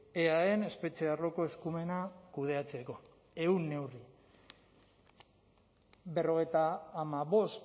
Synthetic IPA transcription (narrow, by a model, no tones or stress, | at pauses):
eaene̞spe̞t͡ʃearo̞ko̞e̞skume̞nakuðe̞at͡se̞ko̞ | e̞unːe̞wri | be̞ro̞ɣ̞e̞jt̪aːmaβo̞st̪